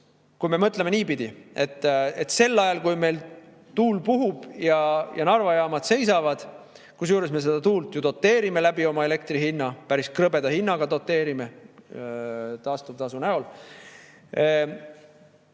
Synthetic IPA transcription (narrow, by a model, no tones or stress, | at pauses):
kujme̞mɤt̪ˑlemeniːpid̪̥ie̞t̪ːˑet̪ːse̞lːɑjɑlkujme̞jl | t̪uːlpuɦub̥jɑjɑnɑrvɑjɑːmɑd̪̥se̞jsɑvɑd̪̥ | kus̬juːɾe̞sme̞se̞d̪̥ɑt̪uːlt̪jut̪o̞t̪ːe̞ːɾime̞læbio̞mɑe̞le̞k̚t̪rihinːɑpæɾiskrɤbe̞d̪̥ɑhinːɑɡɑt̪o̞t̪ˑːe̞ːɾime | t̪ɑːst̪ub̥̚t̪ɑsunæol